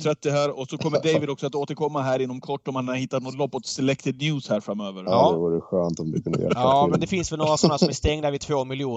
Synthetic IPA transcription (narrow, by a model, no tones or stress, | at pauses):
t̪ʰɾɛt̪ːɪɦæːɾɔsɔkʰɔmːəɖɛjvɪd̪ɔksɔat̪oːt̪əɾkʰɔmːaɦæːɾɪnːɔmkʰɔʈːɔmːhananhɪt̪ːat̪nɔt̪lɔpːɔt̪sɛlɛkt̪ɪd̪njʉːshæːɾfɾamːøːvəɾɑːd̪ɛvuːɾəɧøːnt̪ɔmd̪ɪ̰kʰɵnə̰ɡɛ̰mɛnd̪ɛfɪnsʋɛlnoːɾasɔnhæːsmæst̪ɛŋd̪avɪt̪ʰvoːmɪlɪuː